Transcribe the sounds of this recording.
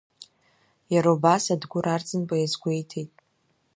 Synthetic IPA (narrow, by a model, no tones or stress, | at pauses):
jaɾaubasadɡʷʊɾart͡sʼɨnpʼajazɡʷejtʰejtʼ